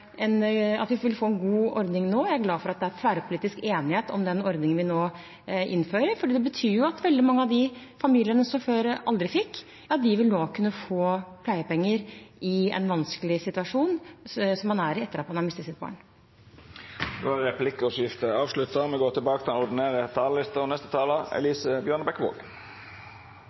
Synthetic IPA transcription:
ɛnɑ̰t̪ʋɪʋɪlfoːɛnɡuːɔɾd̪nɪŋnoːjæɪæɾɡlɑːfɔɾɑt̪̚d̪ɛæɾfæːɾəpʰʊliːt̪ɪskeːnɪheːt̪ɔ̰md̪ɛnɔɾd̪nɪŋənʋɪnoː | ʔɪ̰nːføːɾəɾfɔɖiːd̪ɛbət̪ʰyːjʊɑt̪ʋɛld̪ɪmɑŋːəɑʋd̪ɪfɑmiːlɪənəsɔføːɾəʔɑld̪ɾɪfɪkː | ɑt̪̚d̪ɪʋɪlnoːkʰʉnːəfoːpʰlæɪəpɛŋːəɾʔɪɛ̰nʋɑnskəlɪsɪt̪ʉɑʂuːnsɔmːɑnæɾɪɛt̪ːəɾɑt̪mɑnhɑɾmɪst̪əsɪt̪̚bɑ̰ːɳ | d̪o̰æɾɛpʰlɪkːəɔsɪft̪əɑːʋslʉt̪əmɛɡoːt̪ʰɪlbɑːkət̪ʰɪlɛnɔʁd̪ɪnæːʁət̪ʰɑːləlɪst̪əʁɔnɛst̪ət̪ʰɑːləɛ̰liːsəbjœːɳəbɛkʋo̰ːɡ

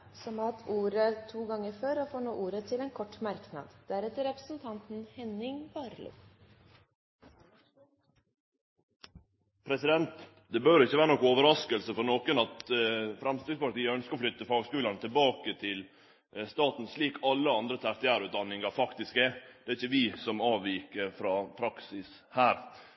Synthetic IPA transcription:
sɔmɑt̪ʰuːɾət̪ʰuːɡɑŋːəɾføːɾɔfoːno̰ːʔuːɾət̪ʰɪlɛːnkʰɔʈːmɑɾknɑ̰ːd̪d̪̥æɾɛt̪ːəɾɛpɾəsnt̪ʰɑnt̪n̩hɛnɪŋbɑːɾlʉ̰ː | pʰɾɛsɪd̪ɛnt̪ | d̪ɛbøːɾɪçːəʋæːɾənɔkːoːʋəɾɑskəlsəfɔɾnoːkənɑt̪fɾɑmst̪ɾɪɡ̪spɑʈt̪iːəœnskəɾɔflʏt̪ːəfɑːɡskʉːlənət̪ʰɪlbɑːkət̪ʰɪl | st̪ɑːt̪n̩sɭiːkʰɑlːəɑnd̪ɾət̪ʰæɾt̪ɪæːɾʉːt̪̚d̪ɑnːɪŋɑfɑkt̪ɪskɛd̪̥ɛæɾɪçːəʋɪːsɔmɑːʋiːkəɾfɾɑːpʰɾɑksɪs | hæːɾ

